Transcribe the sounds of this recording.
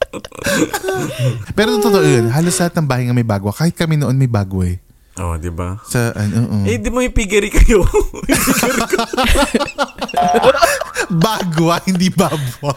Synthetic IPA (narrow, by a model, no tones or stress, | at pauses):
pɛːɾot̪ot̪ot̪oʔojonɦaːloslɐhat̪̚nɐŋbaːhɐjŋɐmɐjbaːɡowɐkaːhɪt̪̚kɐmɛnoʔonmɐjbaːɡoɛ | o̰d̪ɪbasɐʔɐnoːʔoɛd̪imoɪpiɡɐɾikɐjo | ɾk | baːɡoɐhɪnd̪ibaːɡɐ